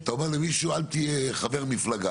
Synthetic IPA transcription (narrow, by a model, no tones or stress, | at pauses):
t̪aome̞ʁlemiʃualt̪ieχave̞ʁmiflaɡa